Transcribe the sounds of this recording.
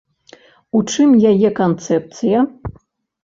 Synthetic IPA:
uʈ͡ʂʰɨmjajɛkont̪t͡s̪ʰɛp̚t̪t͡s̪ʰɨja

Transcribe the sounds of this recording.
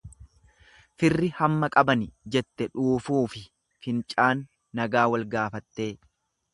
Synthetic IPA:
fɪrːɪhɐmːɐkʼɐbɐnɪd͡ʒɛt̪ːɛᶑuːfuːfɪ | fɪnt͡ʃʼaːnː | ɐɡaːwɐlɡaːfɐt̪ːe̞ː

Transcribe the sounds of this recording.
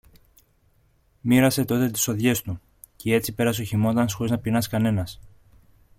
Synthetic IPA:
miɾɐse̞t̪o̞t̪e̞t̪i̥so̞ðʝe̞st̪u | cee̞t͡sipe̞ɾɐs̬o̞çimo̞t̪ɐnsxo̞ɾiznɐpinɐskɐne̞nɐs

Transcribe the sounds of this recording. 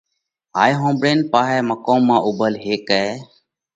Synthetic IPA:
ɦaːjɦõːmbɽeːnpaːɦɛːməkoːmːãːʔʊbəlɦeːkɛː

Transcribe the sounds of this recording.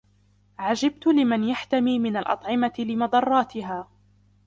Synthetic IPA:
ʕad͡ʒab̚t̪ʊlɪmanjaħt̪amiːmɪnalʔɑ̰t̪ˤʕɪmat̪ɪlɪmɑd̪ˤɑrˤːɑːt̪ɪɦaː

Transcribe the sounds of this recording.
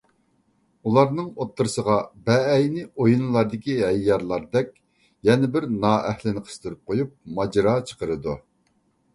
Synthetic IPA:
ulˠɑɾnɨŋot̪ʰːɨɾɨsəʁɑbɛːjnɪojunlˠɑɾd̪ɪkʲiɦɛjːɑɾlˠɑɾd̪ɛkʲ | jɛnɪbɪɾnɑːɛhlɪnɨqʰə̥st̪yɾyp̚qʰojup̚mɑd͡ʒɾɑt͡ʃʰə̥qəɾɨd̪u

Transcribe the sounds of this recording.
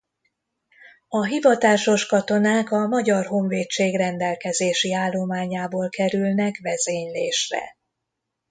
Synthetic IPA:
ɒɦivɒt̪aːʃo̞ʃkɒt̪o̞naːkɒmɒɟɒrɦo̞ɱveːt͡ʃːeːɡrɛnd̪ɛlkɛzeːʃiaːlːo̞maːɲaːboːlkɛɾylnɛkvɛzeːɲleːʃrɛ̰

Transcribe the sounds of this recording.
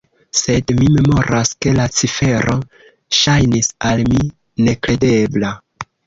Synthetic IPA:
se̞dmime̞mo̞ɾʔaske̞lat͡sife̞ɾʔo̞ | ʃajnisalmi | ne̞kɾe̞de̞bla

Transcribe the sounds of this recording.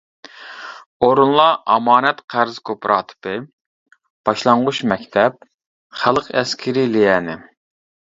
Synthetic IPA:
oɾunlˠɑʔɑmɑːnɛt̪qʰæɾz̥kʰopɾʔɑ̰ːt̪ʰɨ̥pɨ | b̥ɑʃlˠɑɴʁuʃmɛkʲt̪ʰɛp̚ | χælˠqʰɛskʲʰɪɾilijɛːnɪ

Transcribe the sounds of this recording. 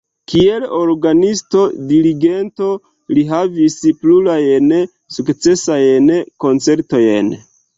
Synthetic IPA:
kieloɾɡanisto̞diɾiɡe̞nto̞ | liɦavisplulajen | sukt͡se̞sajenko̞nt͡se̞ɾto̞jen

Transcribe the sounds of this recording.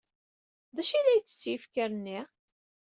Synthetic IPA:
ðæʃilæjt͡sːə̥t͡sːjifkəɾənːi

